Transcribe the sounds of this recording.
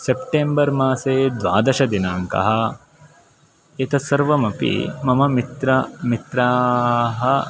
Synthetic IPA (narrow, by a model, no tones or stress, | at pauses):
sepʈeːmbɐɾmaːseːd̪ʋa̰ːd̪ɐʃɐd̪inaːŋkɐ̰ɦɐ̆ | et̪ɐsɐɾʋɐmɐpḭmɐmɐmit̪ɾɐmit̪ɾaːɦɐ